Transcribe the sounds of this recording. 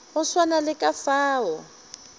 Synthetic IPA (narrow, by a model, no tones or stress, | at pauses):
ɦʊswanalɪkʼafaːwɔ